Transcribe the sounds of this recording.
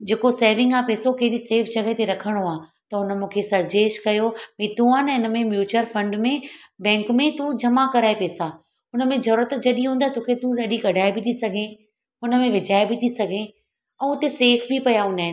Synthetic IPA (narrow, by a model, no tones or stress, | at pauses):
d͡ʑeːkoseːʋɪ̃ŋɡaːpeːsokɐɦɪɗiseːfd͡ʑɐɡət̪ʰeɾɐkʰəɽ̃oaːt̪ɐɦʊnəmũːkʰesɐɾd͡ʑeːʃkɐjomĩt̪ũaːnɪnə̆mẽmjuːt͡ɕəɾfɐ̃ɳɖmẽbɛ̃ːŋkmẽt̪ũd͡ʑɐmakɐɾaːepeːsa | ɦʊnə̆mẽzɐɾuːɾət̪d͡ʑɐɗĩɦũːnd̪aɦt̪oːkʰet̪ũɗɐɗiɡɐɖʱaːebʱit̪ʰisɐɡʱẽ | ɦʊnə̆mẽʋɪd͡ʑʱaːebit̪ʰisɐɡʱẽ | ɛ̃ːʊt̪eseːfbʱipɐjaɦʊnaːɪnɪ